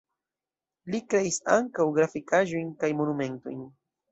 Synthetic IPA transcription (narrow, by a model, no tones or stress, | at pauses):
likɾeisaŋkawɡɾafikaʒujnkajmonume̞nt̪o̰jn